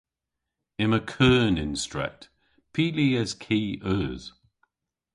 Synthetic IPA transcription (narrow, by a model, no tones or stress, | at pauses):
ɪ̃məkʰɜːnɪ̃nstɹ̥ɛ̰k̚t | pʰiːliːəz̥kʰiːʔœːz̥